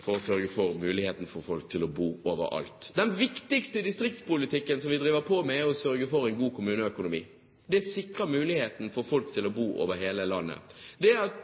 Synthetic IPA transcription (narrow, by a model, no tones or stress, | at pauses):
fɔɾɔsœɾɡəfɔɾmʉːlɪheːt̪n̩fɔɾfɔlk̚t̪ʰɪlɔbuːoːʋə̰ɾɑ̰lt̪d̪ɛnʋɪkt̪ɪkst̪əd̪ɪst̪ɾɪk̚t̪spʊlɪt̪ɪkːənsɔmʋɪd̪ɾiːʋəɾpʰoːmɛæɾɔsœɾɡəfɔɾɛɪnɡuːkʰʊmʉːnəœkʊnʊmḭː | d̪ɛsɪkɾəmʉːlɪheːt̪n̩fɔɾfɔlkt̪ʰɪlɔbuːʔo̰ːʋəɾɦeːləlɑnːə̰d̪ɛæɾɑt̪